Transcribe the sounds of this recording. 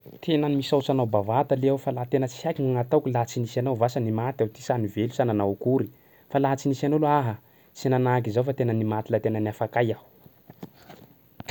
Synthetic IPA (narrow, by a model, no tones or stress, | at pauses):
t̪ʰenənimisawt͡sanawbavad̪aleawfalaɦat̪enət͡si̥akʲiŋŋat̪awkʲilaɦt͡sinisanawvasanimat̪awt̪i̥sanivelusananawkuɾi | falaɦat͡sinisanowlaɦə | t͡sinanak̬izawfat̪enənimat̪ilat̪enəniafakajawu̥